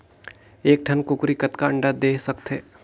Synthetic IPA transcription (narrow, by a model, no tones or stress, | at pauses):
eːk̚ʈʰɐnkʊkɾikət̪kaɐ̃ɳɖad̪eːsɐkt̪ɦeː